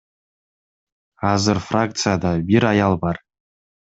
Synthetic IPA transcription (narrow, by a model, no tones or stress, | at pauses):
ɑzɪɾfrak̚t̪sɨjad̪ɑbiɾɑjɑlˠbɑr